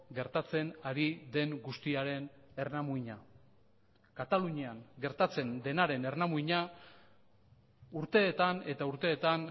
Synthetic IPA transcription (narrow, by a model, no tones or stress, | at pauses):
ɡe̞ɾt̪at͡se̞naɾiðe̞ŋɡust̪iaɾe̞ne̞rnamuiɲa | kat̪aluɲiaŋɡe̞ɾt̪at͡se̞nd̪e̞naɾe̞ne̞rnamuiɲa | uɾt̪e̞ːt̪ane̞t̪auɾt̪e̞ːt̪an